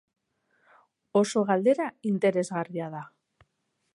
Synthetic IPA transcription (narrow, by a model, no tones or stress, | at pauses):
o̞so̞ɣald̪e̞ɾaint̪e̞ɾe̞zɣariað̞a